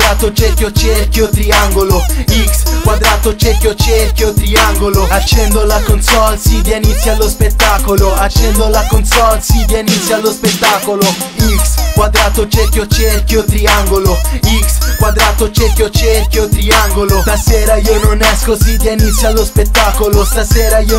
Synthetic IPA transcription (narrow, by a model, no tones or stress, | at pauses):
ɾat̪ot͡ʃerkʲjot͡ʃerkjot̪ɾiaŋɡoloikskwad̪ɾaːt̪ot͡ʃerkjot͡ʃerkjot̪ɾiaŋɡoloat͡ʃːɛnd̪olakonsɔlsid̪jenit̪sːjalːospet̪ːaːkoloat͡ʃːɛnd̪olakonsɔlsid̪enit̪sːjalːospet̪ːaːkolo | ikskwad̪ɾaːt̪ot͡ʃerkjot͡ʃerkjot̪ɾiaŋɡoloikskwad̪ɾaːt̪ot͡ʃerkʲjot͡ʃerkʲjot̪ɾiaŋɡolost̪aseːɾaiːononɛskosid̪jenit̪sːjalːospet̪ːaːkolost̪aseːɾaio